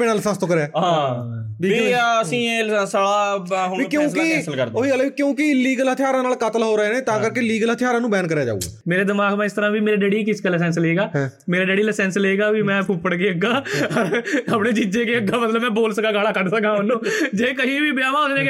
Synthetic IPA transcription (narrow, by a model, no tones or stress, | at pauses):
peːnãːləsãːst̪oːkəɾeaːɦãːbɪəsĩːsəɽaːɦoĩkjõːskɪsəlkəɾd̪oiəlkjõːkɪɪlːiːɡəlɦət̪ʰɪjaːɾãːnaːlkət̪əlɦoːɾəeːnẽːt̪ãːkəɾkeɪliːɡəlɦət̪ʰɪjaːɾãːnũːbɛːnkəɾjaːd͡ʒa̰ːṵɡa̰ːmeːɾeːd̪ɪmaːɡmɛ̃ːɪst̪əɾãːbiːmeːɾeːɖeːɽiːkɪskaləs̬ɛ̃ːnsleːɡaːmeːɾaːɖeːɽiːləsɛ̃ːnsleːɡaːʋimɛ̃ːpʰʊpːəɽk̬eːəɡaːɾɦəpneːt͡ʃid͡ʒeːkeːəɡːaːmət̪ləbmɛ̃ːboːlsəkaːɡaːɽaːkəɖsəkãːʊnːõːd͡ʒeːkəɦĩːbiːbjaːʋaːʊsnẽː